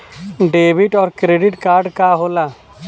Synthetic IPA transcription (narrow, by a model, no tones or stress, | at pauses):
ɖeːbɪʈɔːɾkɾeːɖɪʈkaːɾɖkaːɦoːlaː